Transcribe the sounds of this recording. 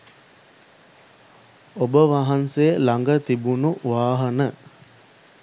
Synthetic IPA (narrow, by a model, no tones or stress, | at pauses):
obəʋaɦansejəlaŋɡət̪ibunuʋaːɦənə